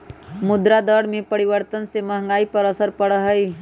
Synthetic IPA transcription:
mʊd̪ɾad̪əɽmẽpəɾɪʋəɾt̪ənsemɐɦŋɡaːipəɾəsəɾpəɽəɦəi

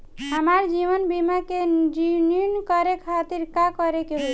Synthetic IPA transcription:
ɦəmaɾd͡ʒiʋənbimaked͡ʒininkəɾekʰat̪iɾkakʌɾekeɦojt͡ʃ

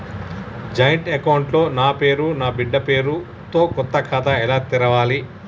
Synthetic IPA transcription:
d͡ʒɐjɐɳʈekɐwɳʈlo̞ːnaːpe̞ːɾunaːbiɖːɐpe̞ːɾu | t̪o̞ːkɔt̪ːɐkʰaːt̪ɐɛlaːt̪iɾɐʋaːli

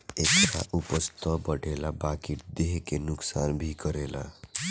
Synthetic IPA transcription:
ekʈa̰ʔupʌst̪ʰʌbʌɽʱelabakiʈ̚d̪eɦekenʊksanbʱikʌɾela̰

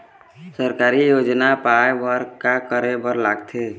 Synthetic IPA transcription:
səɾkaːɾijoːd͡ʒnapaebəɾkakəɾebəɾlaɡt̪ʰe

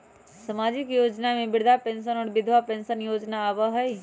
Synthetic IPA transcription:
səmaːd͡ʒɪkjoːd͡ʒnamẽbɪɽd̪ʱapẽːnʃənɔːɽbɪd̪ʱʋapẽnsənjoːd͡ʒnaːʋəɦəj

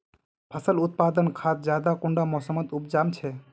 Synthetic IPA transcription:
pʰasəlut̪̚pad̪ənkʰat̪̚d͡ʒad̪akuɳɖamɔsəmət̪upd͡ʒamt͡ʃʰɛ

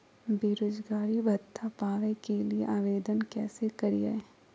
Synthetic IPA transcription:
beːɾoːd͡ʒɡaːɾibʱɐt̪ʰːapaːʋẽkeliḛʔaːʋeːd̪ənkɛːsekɐɾija̰e

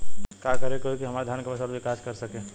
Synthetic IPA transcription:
kakəɾekoɦikiɦəmaɾd̪ʱjankəbəsalbʱikaskəɾsəkẽ

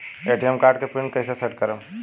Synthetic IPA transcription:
eʈijemkaːɾɖkepɾinkəɪseseʈkəɾəm

